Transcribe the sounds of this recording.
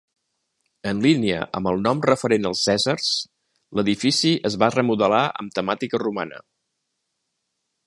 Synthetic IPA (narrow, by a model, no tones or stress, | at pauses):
ənliniə̰ʔə̰mbəlˠnɔmrəfəɾenəlˠsːɛzərs | ləðifisiʔəzβarəmuðəlaʔə̰mt̪əmat̪ikəruma̰nə̰